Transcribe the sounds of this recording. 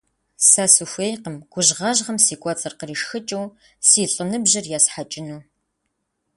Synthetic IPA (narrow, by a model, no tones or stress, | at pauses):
saːsufʷeːjqəmɡʷʊʒʁɐʒʁɐmsiːkʷʼɔt͡sʼɐrqəriːʃxɨt͡ʃʼɐw | siːɬʼɨnɨbʑɐrjaːsħat͡ʃʼɪnuː